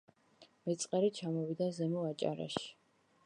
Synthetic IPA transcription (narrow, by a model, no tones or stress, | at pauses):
mɛt̪sʼqʼɛɾit͡ʃʰamɔvid̪azɛmuat͡ʃʼa̰ɾa̰ʃi̥